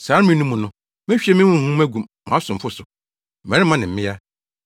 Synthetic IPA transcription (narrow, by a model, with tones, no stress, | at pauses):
saː˨˦mĩ˦nũ˦mʊ̃˨nʊ̃˦ | mɛ̃˦ɕᶣi˦ɛ˦mɪ̃˦mʊ̃˦˨hũ˦æ˦ɡũ˨mːã˨˦sʊ̃˨m˨fʊ˦sʊ˨ | mɛ̃˨ɾɪ˦mã˦nɪ̃˨m̩˦mɪ̃˦a˦